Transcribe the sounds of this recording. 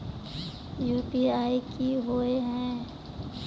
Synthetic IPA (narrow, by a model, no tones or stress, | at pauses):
juːpiaːikiɦoeɦɛ̃